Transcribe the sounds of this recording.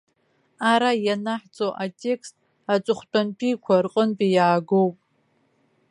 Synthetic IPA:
aɾajanaħt͡sʼoʔatʼe̞kʰstʼ | at͡ʃʷʼɨχʷt͡pʷanpʰʼikʷʰarqʼənpʼijaːɡowpʼ

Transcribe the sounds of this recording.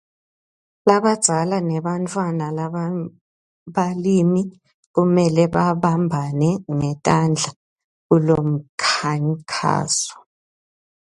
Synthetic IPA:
laβad̥z̥ʱalanɛɓantʰʼwanala | ɓalimi | ɣumɛlɛβaβambʱanɛŋɛtʼand͡ɮʱa | ɣulom̩kʰaŋkʰa̰ːsɔ̥

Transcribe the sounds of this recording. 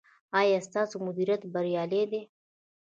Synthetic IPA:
aːjast̪aːsumʊd̪iɾjat̪bɐɾijaːled̪e

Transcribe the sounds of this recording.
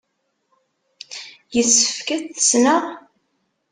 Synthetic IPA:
jəsːə̥fkæθə̥snəʁ

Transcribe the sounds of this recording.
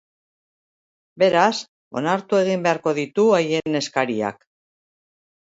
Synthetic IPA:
be̞ɾas | o̞̰naɾt̪ue̞ɣ̞imbe̞aɾko̞ðit̪uaje̞ne̞skaɾia̰k

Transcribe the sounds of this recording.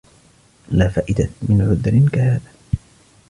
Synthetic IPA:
laːfaːʔɪd̪amɪnʕʊðɾɪnkahaːðaː

